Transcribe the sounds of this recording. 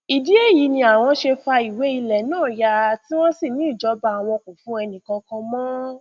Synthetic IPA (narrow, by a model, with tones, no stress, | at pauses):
i˨di˨˦e˦˨ji˨˦nĩ˧a˨w̃ɔ̃˧ʃe˧fa˧i˨we˨˦i˧lɛ˨nãː˦˨ja˧ti˦w̃ɔ̃˦si˦˨nĩ˨˦i˦˨d͡ʒɔ˨˦ba˧˨w̃ɔ̃˧kõ˨fũ˨˦ɛ˧nĩ˨kã˧kã˧mɔ̃˦